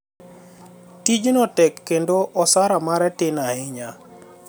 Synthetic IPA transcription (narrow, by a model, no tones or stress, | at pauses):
tid͡ʒnɔtɛkːendoʔɔsaɾamaɾɛtɪnahɪɲa